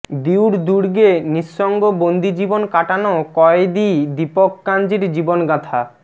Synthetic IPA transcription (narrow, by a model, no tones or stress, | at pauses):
d̪iwɾd̪uɾɡeniʃːɔŋɡobond̪id͡ʑibonkaʈanokɔed̪id̪ipokːand͡ʑiɾd͡ʑibonɡat̪ʰa